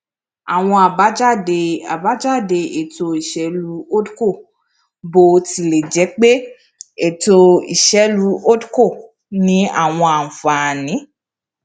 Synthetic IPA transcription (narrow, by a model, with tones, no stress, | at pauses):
a˨w̃ɔ̃˧a˨ba˨˦d͡ʒa˦˨de˧a˨ba˨˦d͡ʒa˦˨de˧e˨to˧i˨ʃɛ˨˦lu˨˦o˦dko˦˨ | bo˧ti˧le˨d͡ʒɛ˨˦k͡pe˦ | e˨to˧ḭ˨ʃɛ˨˦lu˦o˦dko˦˨ | nĩ˨˦a̰˦˨w̃ɔ̃˧a˨n̩˨fa˨nĩ˨˦